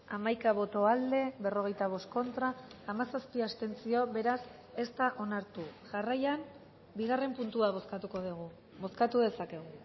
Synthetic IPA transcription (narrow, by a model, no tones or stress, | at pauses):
amajkaβ̞o̞t̪o̞ald̪e̞βe̞ro̞ɣ̞e̞jt̪aβ̞o̞st̪ko̞nt̪ɾaːmasaspiast̪e̞nt͡sio̞βe̞ɾas | e̞st̪aʔo̞naɾt̪uʝarajam | biɣ̞are̞mpunt̪uaβ̞o̞skat̪uko̞ðeɣ̞u | βo̞skat̪uðe̞sake̞ɣ̞u